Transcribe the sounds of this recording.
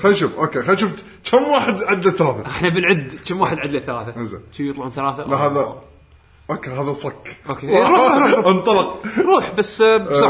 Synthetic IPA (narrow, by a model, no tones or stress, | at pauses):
xajʃʊfʔoːkexajʃʊft̪ | t͡ʃamːwaːħɪd̪ʕad̪laθːalaːθaʔɪħnabɪlʕɪd̪ːt͡ʃamwaːħɪd̪ʕad̪laθalaːθaɪza̰t͡ʃijɨt̪ˤlɑʕnθalaːθalahaːða | ʔoːkeɦaːðasˤɑkːʔoːkeɾuːʔɑnt̪ˤɑlɑqɾˤuːħbasːsa